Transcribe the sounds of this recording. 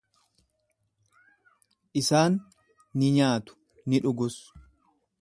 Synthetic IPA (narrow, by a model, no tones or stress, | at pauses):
ʔɪsaːnː | ɪɲaːt̪ʊ̥ | nɪᶑʊɡʊs